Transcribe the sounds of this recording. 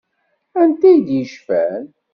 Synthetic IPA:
ænt̪æjd̪jəʃfæn

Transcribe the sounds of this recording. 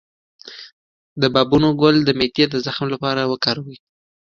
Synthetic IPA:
d̪əbɑbunoɡʊld̪əmet̪ijed̪əzaxmlapɑɾawəkɑɾawi

